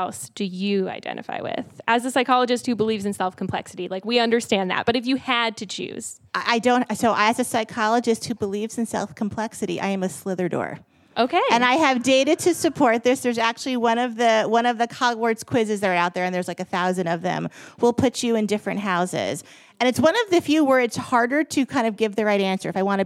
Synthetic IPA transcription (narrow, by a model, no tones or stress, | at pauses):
ʊsd̥ɨjɨa̰ɪdɛ̰̃ñʔɨ̰fa̰ɪwɪ̰ð̥ʔɨzɨsaɪkʰɑlˠəd͡ʒɨst̚hʉbəlivzɨ̃n̩sɛlˠfkʰm̩pʰl̥ɛ̰ksɨɾilaɪkwiʌ̃ndə˞stæ̃nðæ̰t̚b̥ʌɾɨfjɨɨd̚tʰɨt͡ʃʰʉ̰z̥ | aʔaɪdõʊ̃nsoʊʔaɪɨzɨsaɪkʰɑlˠəd͡ʒɨst̚hʉbəlivz̥ɨ̃n̩sɛ̰lˠfkʰm̩pʰl̥ɛksɨɾḭʔa̰ɪɨ̃mɨslɪðə˞dɔ̰ɹ | ʔoʊkʰeɪɨ̃naɪɨvdeɪɾɨd̚tʰɨsɨpʰɔɹt̪̚ðə˞zðə˞zæk̚t͡ʃʉl̩ˠiwʌ̃nʌvðɨwʌ̃nʌvðɨkʰɑɡwə˞dz̥kʰw̥ɪzɨzðɨɾə˞aʊt̪̚ðə˞ɨ̃nðə˞zlaɪkɨθaʊzɨ̃ndʌvðɨ̰̃mwɪlˠpʰʊt͡ʃɨɨ̃ndɪfɹɨ̃nʔ̚ɦaʊzɪ̰z̥ | ɨ̃nɨtswʌ̃nʌvðɨfjʉwɜ˞ɨdz̥hɑɹɾə˞ɾɨkʰãɪ̃ndʌvɡɪvðɨɹaɪɾæ̃nsə̰˞ɨfaɪwɑ̃ñɨ